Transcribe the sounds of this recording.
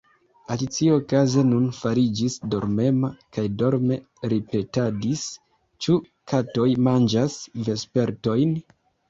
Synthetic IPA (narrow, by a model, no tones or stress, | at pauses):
alit͡siokaze̞nunfaɾid͡ʒisdo̞ɾme̞makajdoɾme̞ | ɾipe̞tadis | t͡ʃu | kʰato̞jmand͡ʒasve̞spe̞ɾto̞jn